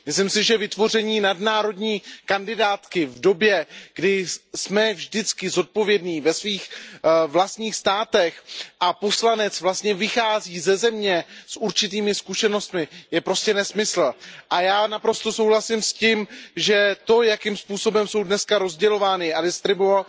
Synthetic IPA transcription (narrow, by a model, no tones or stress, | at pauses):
mɪslimsɪʒɛvɪt̪vo̞rɛɲiːnadnaːɾo̞dɲiːkandɪdaːt̪kɪvdo̞bjɛɡ̥dɪsmɛvʒdɪt͡skɪzo̞t̪̚po̞vjɛdniːvɛsviːxvlast̪ɲiːxst̪aːt̪ɛxʔapo̞slanɛt͡svlast̪ɲɛvɪxaːziːzɛzɛmɲɛsʔuɾt͡ʃɪt̪̬iːmɪskuʃɛno̞st̪mɪjɛpɾo̞scɛnɛsmɪsl̩ʔajaːnapɾo̞st̪o̞so̞wlasɪmscɪmʒɛt̪o̞jakɪmspuːso̞bɛmso̞wdnɛskaɾo̞zɟɛlo̞vaːnɪʔadɪst̪ɾɪbo